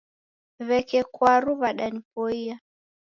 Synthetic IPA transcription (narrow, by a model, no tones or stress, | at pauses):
βɛkɛkwaɾuβaɗanipɔia